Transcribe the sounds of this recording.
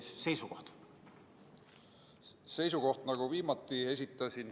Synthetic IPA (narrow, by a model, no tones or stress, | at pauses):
se̞jsuko̞ht̪ | se̞jsuko̞ht̪nɑɡ̥uviːmɑt̪ːˑie̞s̬ʲit̪ːˑɑsin